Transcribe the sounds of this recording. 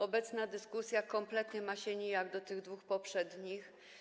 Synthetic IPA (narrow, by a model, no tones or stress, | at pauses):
ɔbɛt̪snad̪ɘskusʲjakɔmplɛt̪ɲɛmaɕɛɲɛjaɡd̪ɔt̪ɘɣd̪vuxpɔpʂɛd̪ɲix